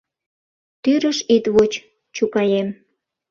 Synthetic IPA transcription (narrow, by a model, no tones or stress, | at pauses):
t̪yɾəʃit̪βot͡ɕ | t͡ɕukɑjem